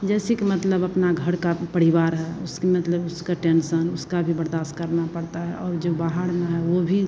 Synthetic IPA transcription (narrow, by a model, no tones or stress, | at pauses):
d͡ʒɛːsekemət̪ləbɐpnaɡʱəɽkapəɾɪʋaːɾɦɛʊskemət̪ləbʊskaʈensənʊskabʱibəɾd̪aːʃʈ̚kəɾnapəɽt̪aɦɛʔɔːɾd͡ʒobaːɦəɽmẽɦɛʋobʱi